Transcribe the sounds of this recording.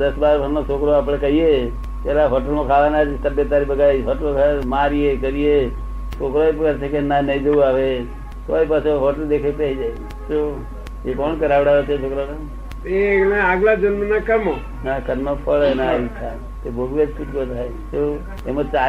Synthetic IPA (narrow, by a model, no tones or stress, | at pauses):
d̪əsbaɾbʱəɾnot͡ʃʰokɾoaːpɽekəɦie | t̪aɾaɦoʈəlmõkʰaʋanad͡ʒit̪əbjət̪ːaɾibəɡaiɦoʈəloɡamaɾiekəɾie | t͡ʃokɾoepkəɾt͡ʃʰekenanəĩd͡ʒouaʋe | t̪oaʋipat͡ʃʰoɦoʈəld̪ekʰepɛɦid͡ʒae | t̪o | jekɔɳkəɾaʋɽaɦot͡ʃʰet͡ʃʰokɾona | enaaɡlad͡ʒənmənakəmo | nakəɾnopʰəɭnaʋitʰa | t̪obʱoɡʋed͡ʒsuʈɡot̪ae | t̪o | emə̃t͡ʃa